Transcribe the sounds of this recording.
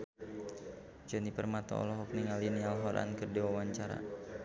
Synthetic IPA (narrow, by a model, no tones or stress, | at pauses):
d͡ʒɔnipərmat̪ɔ̰ɔ̰lɔɦɔk̚niŋalinialɦɔɾa̰nkərdiwawaɲt͡ʃaɾa̰